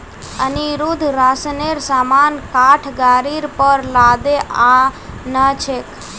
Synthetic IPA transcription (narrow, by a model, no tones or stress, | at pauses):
əniɾud̪ʱɾasneɾsamankaʈʰɡaːɾiɾpəɾlad̪eʔãnət͡ʃʰek